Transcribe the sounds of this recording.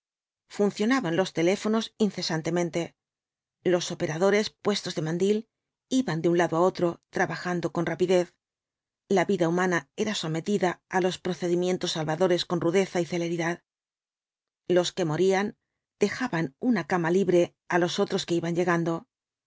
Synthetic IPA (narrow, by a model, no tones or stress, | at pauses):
funθjo̞naβanlo̞st̪e̞le̞fo̞no̞sinθe̞sant̪e̞mẽ̞nt̪e̞ | lo̞so̞pe̞ɾaðo̞ɾe̞spwe̞st̪o̞zðe̞mãnd̪il | iβand̪eunlaðoao̞t̪ɾo̞t̪ɾaβaxand̪o̞ko̞nrapiðe̞θ | laβiðaumãnae̞ɾaso̞me̞t̪iðaːlo̞spɾo̞θe̞ðimje̞nt̪o̞sːalβaðo̞ɾe̞sko̞nruðe̞θaiθe̞le̞ɾiðað | lo̞ske̞mo̞ɾian | d̪̥e̞xaβanunakamaliβɾe̞ | alo̞so̞t̪ɾo̞ske̞iβaɲe̞ɣand̪o̞